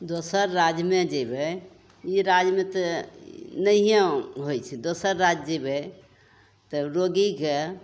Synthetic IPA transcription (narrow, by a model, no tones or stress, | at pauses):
d̪osəɾːad͡ʒmed͡ʒebɛ | iɾad͡ʒmet̪ | nəẽɦojt͡ʃʰɛd̪osəɾːad͡ʒd͡ʒebɛ | t̪əɾoɡike